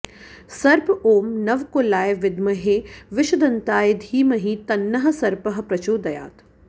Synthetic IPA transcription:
sɐɾpoːmnɐʋkolaːjʋɪd̪mɐɦeːʋɪʃɐd̪ɐnt̪aːjed̪ʱiːmɐɦit̪ɐnːɐɦɐ̆sɐɾpɐɦɐ̆pɾɐt͡ʃoːd̪ɐja̰ːt̪

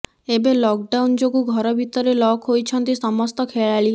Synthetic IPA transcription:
ebelɔk̚ɖawnd͡ʒoɡuɡʱɔɾɔbʱit̪ɔɾelɔkɦojt͡ʃʰɔnt̪isɔmɔst̪ɔkʰeɭaɭi

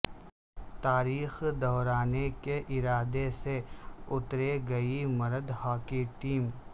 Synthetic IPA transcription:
t̪aːɾiːxd̪ɔɦɾaːnekeʔɪɾaːd̪eseʊt̪ɾeɡɐimɐɾəd̪hɔːkiʈiːm

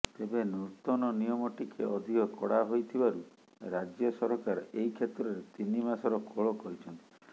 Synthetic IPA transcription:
t̪ebenut̪ɔnɔnijɔmɔʈikʰeɔd̪ʱiɔkɔɽaɦojt̪ʰibaɾu | ɾad͡ʒjɔsɔɾɦɔkaɾɔeikʰet̪ɾɔɾet̪inimasɔɾɔkoɭɔkɔɾit͡ʃʰɔnt̪i̥

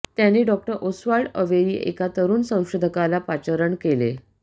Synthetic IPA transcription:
t̪janeɖɔk̚ʈəɾʔosʋaɭəʋeɾḭːʔḛkat̪əɾuːnsə̃w̃ɕud̪ʱəkalapat͡ɕəɾəɳkelḛ

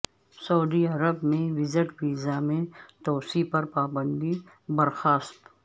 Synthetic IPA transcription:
sɐwd̪iɐɾəbmẽʋɪzɪʈbiːzamẽt̪ɔːsipɐɾpaːbə̃nd̪i | bɐɾxaːst̪

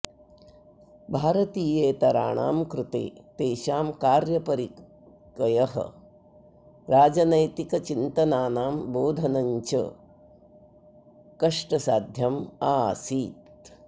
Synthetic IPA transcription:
bʱaːɾɐt̪iːjeːt̪ɐɾa̰ːɳa̰ːmkɾut̪ḛːt̪eːʃaːmkaːɾjɐpɐɾi | kɐjɐɦɐ̰ | ɾaːd͡ʒɐnɐjt̪ikɐt͡ʃint̪ɐnaːnaːmboːd̪ʱɐnɐɲt͡ʃɐ̰ | kɐʂʈɐsaːd̪ʱjɐmaːsiːt̪

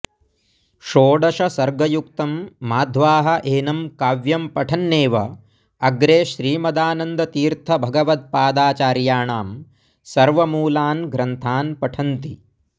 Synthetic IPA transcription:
ʃoːɖɐʃɐsɐɾɡɐjuk̚t̪ɐmːaːd̪ʱʋaːɦɐ̆ʔeːnɐmkaːʋjɐmpɐʈʰɐnːeːʋɐ | ɐɡɾeːʃɾiːmɐd̪aːnɐnd̪ɐt̪iːɾt̪ʰɐbʱɐɡɐʋɐt̪̚paːd̪aːt͡ʃaːɾjaːɳaːm | sɐɾʋɐmuːlaːnɡɾɐnt̪ʰaːnpɐʈʰɐnt̪i

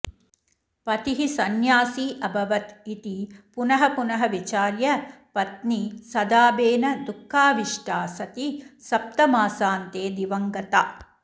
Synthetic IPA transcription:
pɐt̪iɦisɐnjaːsiːʔɐbʱɐʋɐt̪it̪ipunɐɦɐpunɐɦɐʋit͡ʃaːɾjɐpɐt̪nisɐd̪aːbeːnɐd̪ukʰːaːʋiʂʈaːsɐt̪isɐp̚t̪ɐmaːsaːnt̪eːd̪iʋɐŋɡɐt̪aː

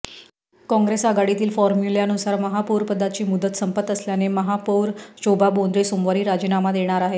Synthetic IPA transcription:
kɔ̃ŋɡɾesəɡaɽit̪iːlfɔɾmjuleanusaɾməɦapuɾpəd̪ʱːat͡ɕiːmud̪ət̪səmpət̪əsljaneməɦapuɾɕobʱabond̪ɾesomʋaɾiːɾad͡ʑinamad̪eɽ̃aɾaɦe

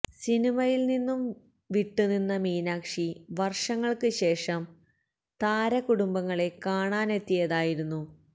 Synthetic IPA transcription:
sinimɐjilninːum | ʋiʈːuninːɐmiːnaːkʂiʋɐrʂɐŋːɐɭkɨɕe̞ːʂɐm | t̪aːɾɐkuɽumbɐŋːɐɭe̞kaːɳaːne̞t̪ːijɐðaːjiɾunːu

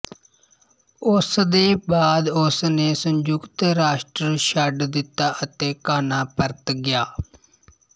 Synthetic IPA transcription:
ʊsd̪eːbaːd̪ʊsneːsəɲd͡ʒʊkt̪ɾaːʃʈɾəʃəɖd̪ɪt̪ːaːʔət̪eːkaːnaːpəɾt̪ɡɪjaː

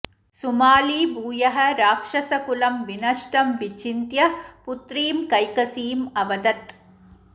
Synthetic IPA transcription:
sʊmaːlibuːjɐɦɐɾaːkʂɐsɐkʊlɐmʋɪnɐʂʈɐmʋɪt͡ʃːɪnt̪jɐpʊt̪ɾiːmkɐjkɐsiːmɐʋɐd̪ɐt̪

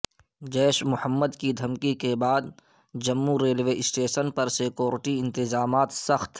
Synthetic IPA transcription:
d͡ʒɛːʃmʊhəmːəd̪kid̪ʱɐmkikebaːd̪ | d͡ʒɐmːuɾeːlʋeːʔɪsʈeːʃənpɐɾseːkoːɾɪʈiɪ̃nt̪ɪzaːmaːt̪sɐxt̪

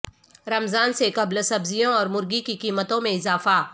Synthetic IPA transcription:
ɾɐmzaːnsekɐblsɐbzijõɔːɾmʊɾɡikikiːmət̪õmẽɪzaːfa

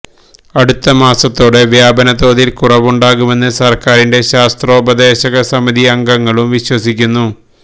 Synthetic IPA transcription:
ɐɽut̪ːɐmaːsɐt̪ːo̞ːɽeʋjaːbɐnɐt̪o̞ːðilkurɐʋuɳɖaːɣume̞nːɨsɐrkaːɾinde̞ɕaːst̪ro̞ːbɐd̪e̞ːɕɐɣɐsɐmiðiɐŋɡɐŋːɐɭumʋiɕwɐsikʲːunːu

